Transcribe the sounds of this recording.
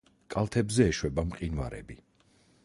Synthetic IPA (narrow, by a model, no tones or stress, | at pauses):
kʼalˠt̪ʰɛbzɛːʃwɛbamqʼinva̰ɾɛ̰bi